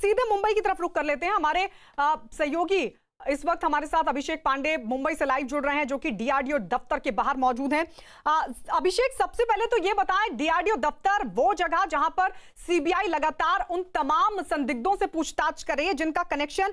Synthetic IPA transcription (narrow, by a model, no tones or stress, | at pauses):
siːd̪ʱemʊ̃mbəikit̪ɐɾəfɾʊkːɐɾleːt̪̬eɦɛ̃ɦɐmaːɾe | sɐɦjoːɡi | ɪsʋɐk̚t̪ɦɐmaːɾesaːt̪ʰɐbʱɪʃeːk̚pãːɳɖemʊ̃mbəiselaːɪʋd͡ʒʊɽɾɐɦeɦɛ̃d͡ʒoːkiɖiːaːɖijod̪ɐft̪əɾkebaːɦəɾmɔːd͡ʒuːd̪ʱɦɛ̃ː | ɐbʱɪʃeːksɐbsepɛɦlet̪ojebɐt̪aːẽɖiːaːɖijod̪ɐft̪əɾʋoːd͡ʒɐɡəd͡ʒɐɦãpɐɾ | siːbiːaːilɐɡaːt̪aːɾʊnt̪ɐmaːmsɐ̃nd̪ʱɪɡ̚d̪õsepuːt͡ʃʰt̪aːt͡ʃkɐɾːɐɦiɛd͡ʒɪnkakɐneːkʃən